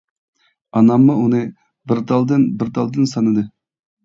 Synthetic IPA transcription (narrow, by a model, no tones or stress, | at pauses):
ɑnɑmːʊunɨ | bɪɾd̪ɑlˠd̪ɨnbɪɾd̪ɑlˠd̪ɨnsɑnɨd̪ɨ